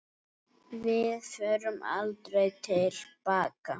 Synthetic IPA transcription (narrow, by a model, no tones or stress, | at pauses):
vɪðθœɾʏma̰lt̪ɾejt̪ʰɪlpaːka